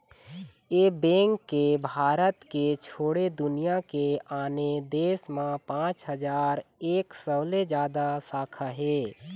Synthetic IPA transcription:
eːbɛ̃ːŋkːebʱaːɾət̪ket͡ʃʰoːɽed̪ʊnijakeaːned̪eːsmãpãːt͡ʃɦəd͡ʒaːɾeːksəled͡ʒjaːd̪asaːkʰaɦɛː

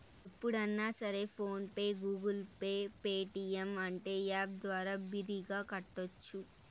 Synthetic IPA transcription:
ipːuɽɐnːaːsɐɾe̞pʰo̞ːnpeːɡuːɡulpeːpeːʈiemɐɳʈe̞ːjaːb̚d̪ʋaːɾaːbiɾiɡaːkɐʈːot͡ʃːu

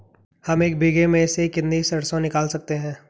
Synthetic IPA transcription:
hɐmeːk̚bʱiɡemẽsekɪt̪nisɐɽsõnɪkaːlsɐk̚t̪eɦɛ̃ː

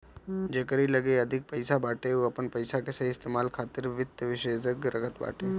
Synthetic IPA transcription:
d͡ʒekəɾilɐɡeɐd̪ʱɪk̚pɐɪsabaːʈeoɐpənpɐɪsakeseɪst̪eːmaːlkʰaːt̪ɪɾʋɪd̪jʋɪʃeːd͡ʒəɡɾəkʰət̪ba̰ːʈeː

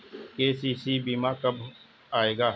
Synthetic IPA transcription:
keːsiːsibiːmaːkɐbʱ | aːeːɡaː

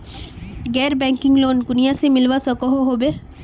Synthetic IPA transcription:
ɡɛːɾbɛ̃ːŋkɪ̃ŋɡloːnkʊnijãsemɪlʋasəkoɦoɦobe

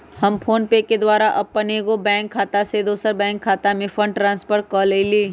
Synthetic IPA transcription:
hɐmpʰoːnpeːked̪waːɾaʔɐbpːɐneːɡobɛ̃ːŋkʰːaːt̪ased̪oːsəɾbɛ̃ːŋkʰːaːt̪amẽfʰə̃ɳɖʈɾãːnspəɾʈkɔːleːliː

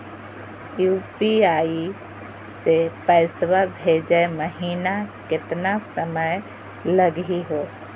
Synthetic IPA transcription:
juːpiaːi | sepəɪswabʱed͡ʒəeməɦiːnakɪt̪nasəməj | ləɡiɦoː

